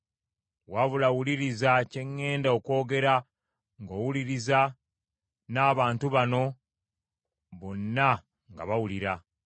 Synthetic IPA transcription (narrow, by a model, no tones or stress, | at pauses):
waβulawuliɾizace̞ŋːe̞ːndaoko̞ːɡe̞ɾa | ŋɡo̞ːwuliɾiza | naːβaːntuβano̞ | βo̞nːa | ŋɡa̰βawuliɾa